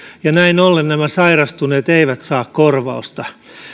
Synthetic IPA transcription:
jɑnæinolːennæmæsɑirɑst̪uneːt̪eiʋæt̪sɑːkkorʋɑ̰ust̪ɑ

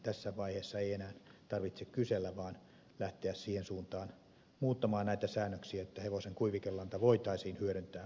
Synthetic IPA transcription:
t̪æsːæʋɑiheːsːɑeienæːnt̪ɑrʋit̪sekkyselːæʋɑːn | læht̪eæssiːhensuːnt̪ɑːn | muːt̪ːɑmɑːnnæit̪æsæːnːøksiæet̪ːæheʋoseŋkuiʋikelːɑnt̪ɑʋoit̪ɑisiːnhyøɾønt̪æː

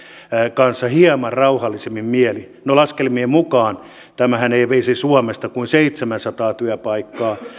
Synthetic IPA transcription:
kɑnsːɑhiɑmɑrrɑuhɑlːisemːimmieli | nolɑskelmiemukɑːn | t̪æmæhæneiʋeisisuɔmest̪ɑkuinseit̪semænsɑt̪ɑːt̪yæpɑikːɑː

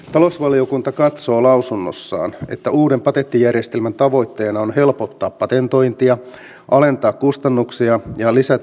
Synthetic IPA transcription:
t̪ɑlo̞sʋɑlio̞kunt̪ɑkɑt̪so̞ːlɑwsunːo̰sːɑ̰ːnḛt̪ːæuːde̞mpɑt̪et̪ːijærjest̪elmænt̪ɑʋo̞jt̪ːe̞ːnɑonhe̞lpot̪ːɑːppɑt̪ent̪o̞jnt̪iɑ | ʔɑle̞nt̪ɑːkkust̪ɑnːuksiɑjɑlisæt̪

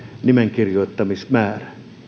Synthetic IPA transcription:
nimeŋkirjoit̪ːɑmismæːræ̥

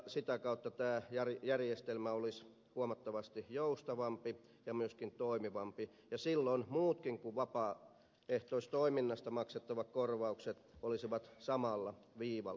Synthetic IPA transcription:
sit̪ækɑut̪ːɑt̪æːjærjærjest̪elmæolis | huɑmɑt̪ːɑʋɑst̪ijoust̪ɑʋɑmpi | jɑmyøskint̪oimiʋɑmpi | jɑsilːonmuːt̪kiŋkuʋʋɑpɑː | eht̪oˑist̪oiminːɑst̪ɑmɑkset̪ːɑʋɑkkorʋɑukset̪olisiʋɑt̪sɑmɑlːɑʋiːʋɑ̰

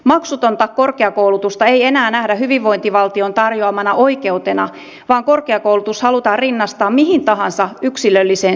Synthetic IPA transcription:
mɑksut̪o̞nt̪ɑkko̞rkeɑkowlut̪ust̪ɑeije̞næːnæhdæhyʋiʋʋo̞jnt̪iʋɑlt̪io̞nt̪ɑrjoɑmɑnɑʔo̞ike̞ut̪enɑ | ʋɑːŋko̞rkeɑkoulut̪ushɑlut̪ɑːrrinːɑst̪ɑːmmiɦint̪ɑɦɑnsɑyksilølːiseːn

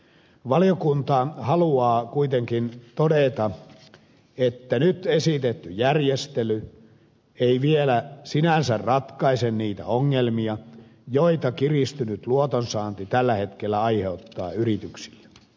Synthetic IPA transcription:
ʋɑliokunt̪ɑhɑluɑːkuit̪eŋkint̪odet̪ɑ | et̪ːænyt̪esit̪et̪ːyjærjest̪ely | eiʋielæsinænsærrɑt̪kɑisenniːt̪æ̰oŋːelmiɑjoit̪ɑkirist̪ynyt̪luot̪onsɑːnt̪it̪ælːæhet̪kelːæɑiheut̪ːɑ̰ːyrit̪yksi̥lːe

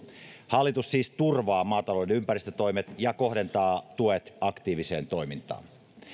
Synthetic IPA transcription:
hɑlːit̪ussiːst̪urʋɑːmɑːt̪ɑlodenympæɾist̪øt̪o̞jmet̪jɑko̞ɦde̞nt̪ɑːt̪uet̪ɑkt̪iːʋise̞̰ːnt̪o̞imint̪ɑ̰ːn

